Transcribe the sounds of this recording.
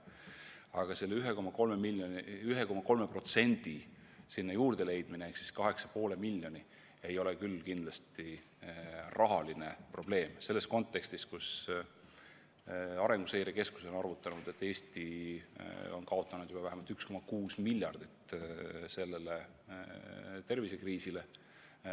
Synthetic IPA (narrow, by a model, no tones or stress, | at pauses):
ɑɡ̥ɑse̞lːeyɦeko̞mɑko̞lmemilːjonyɦeko̞mɑko̞lme̞pro̞t̪se̞nd̪̥i | sinːɑjuːrd̪̥e̞le̞jd̪̥mineeksi̥skɑɦe̞ksɑ̥po̞ːle̞milʲːjo̞ni | e̞jo̞le̞kylːkind̪̥lɑst̪i | rʔɑɦɑline̞pro̞b̥le̞ːmse̞lːe̞sko̞nt̪ːˑe̞kst̪iskus | ɑɾe̞ŋɡ̥usejɾeke̞sku̥so̞nɑrvut̪ːˑɑnud̪̥e̞t̪ːˑe̞ːsʲt̪i | o̞nkɑo̞t̪ːˑɑnud̪̥jub̥ɑvæɦemɑlt̪yksko̞mɑkuːsmilʲjɑrd̪̥it̪se̞lːe̞le | t̪e̞rvise̞kriːsile̞